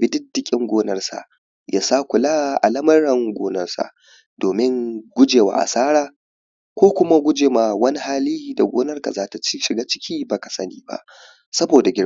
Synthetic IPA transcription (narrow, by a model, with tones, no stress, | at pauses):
bɪ˦dɪ˦dɪ˦kʲʼɪ˦ŋɡʷoː˦nɐ˦rsa̰˨ʔ | jaː˦saː˦kʷʊ˨laː˦ʔa̰˨lɐ˦mɐ˦ɽɐ˨ŋɡʷoː˦nɐ˦rsa̰˨ʔ | d̥oː˨mɪ˦ŋɡʷʊ˦d͡ʒeː˨wa̰ː˨ʔa̰˨saː˦ɽaː˨ | kʷoː˦kʷʊ˦ma˦ɡʷʊ˦d͡ʒeː˨ma˨wɐ˦ni˦haː˦liː˦da˨ɡʷoː˦nɐ˦rka˨zaː˦ta˨t͡ʃi˦ʃɪ˨ɡaː˦t͡ʃɪ̥˦kʲʰiː˦ba˨ka˨sɐ˦niː˨ba̰˦ʔ | sɐ˦boː˨da˨ɡʲɪ˦ɽ